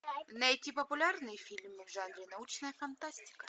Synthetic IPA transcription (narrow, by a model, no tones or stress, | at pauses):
nɐjtʲipəpʊlʲarnɨjəfʲilʲmɨvʐanɾʲɪnɐut͡ɕnəjəfɐnt̪asʲtʲɪ̥kɐ